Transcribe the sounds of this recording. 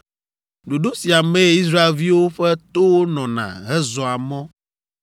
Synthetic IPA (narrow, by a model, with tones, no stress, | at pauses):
ɖo˨ɖo˦si˨a˨mɛ̃˦i˦s̬ɾa˦e˨lvi˦wo˦ɸɛ˦t̪o˦wo˦nɔ̃˨nã̰˨ɦɛ˦zɔ˨a˨mɔ̃˦